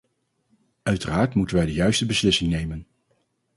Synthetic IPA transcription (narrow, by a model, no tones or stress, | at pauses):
œɥtəraːɹtmutənʋɛjdəjœɥstəbəslɪsɪŋnejmən